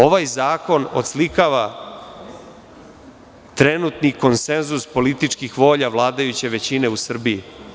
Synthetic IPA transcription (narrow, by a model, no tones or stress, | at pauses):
o̞ʋajzaːko̞no̰t̪slikaʋa | t̪ɾenut̪niko̞nse̞nzuspo̞lit̪it͡ʂkixʋo̞ːʎaʋlˠaːd̪ajut͡ɕe̞ʋe̞t͡ɕineusr̩bii